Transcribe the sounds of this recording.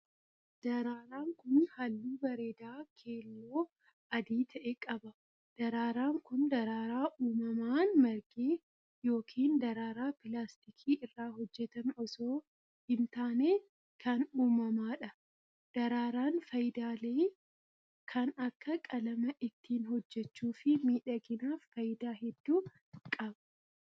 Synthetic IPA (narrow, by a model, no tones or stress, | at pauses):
d̪̥ɐɾaːɾaːŋkʊnhɐlːuːbɐɾeːd̪aːkʰe̞ːlːo̞ː | ɐd̪iːt̪ʰɐʔɛkʼɐbɐ | d̪̥ɐɾaːɾaːŋkʊnd̪ɐɾaːɾaːʔuːmɐmaːnmɐɾɡeː | jo̞ːkʰiːnd̪ɐɾaːɾaːpɪlaːst̪ɪkʰiːʔɪrːaːɦɔd͡ʒːɛt̪ɐmɔsoː | hɪnt̪aːneː | kʰɐnuːmɐmaːᶑɐ | d̪̥ɐɾaːɾaːnfɐjɪd̪aːleː | kʰɐnɐkːɐkʼɐlɐmɐʔɪt̪ʰːiːnhɔd͡ʒːɛt͡ʃːuːfɪmiːᶑɐɡɪnaːfːɐjɪd̪aːɦɛd̪ːuː | kʼɐbɐ̥